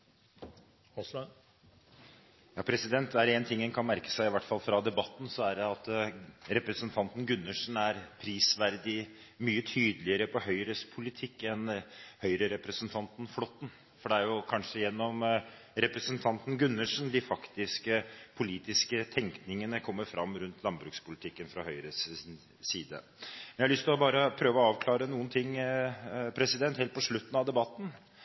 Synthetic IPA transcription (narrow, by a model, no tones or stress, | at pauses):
jɑːpʰɾɛsɪd̪ɛnt̪̚d̪ɛæɾeːnt̪ʰɪŋːɛnkʰɑnmæɾkə̥sæɪɪʋæʈːfɑlːfɾɑd̪ɛbɑt̪ːn̩sɔæɾɛɑt̪ɾɛpɾəsənt̪ʰɑnt̪n̩ɡʉnːəʂn̩æɾpʰɾiːsʋæɾd̪ɪ | myːət̪ʰyːd̪əlɪəɾəpʰɔhœʏɾəspʰʊlɪt̪ʰɪkːɛnhœʏɾəɾɛpɾəsənt̪ʰɑnt̪n̩flɔt̪ːn̩ | fɔɖɛæɾjʊkʰɑnʂəjɛnːɔm | ɾɛpɾɛsnt̪ʰɑnt̪n̩ɡʉnːəʂn̩d̪ɪfɑkt̪ɪskəpʰʊliːt̪ɪskət̪ʰɛŋknɪŋənəkʰɔmːəɾfɾɑmːɾʉnt̪ʰlɑnbɾʉːkspʰʊlɪt̪ʰɪkːənfɾɑhœʏɾəsː | iːd̪ə̰ | mɛnæɪhɑlʏst̪ɪlɔbɑːɾəpʰɾøːʋəɔɑːʋkʰlɑːɾənuːənt̪ʰɪŋː | pʰɾɛsɪd̪ɛnt̪helt̪pɔʂɭʉt̪ːn̩ɑʋd̪ɛbɑt̪ːn̩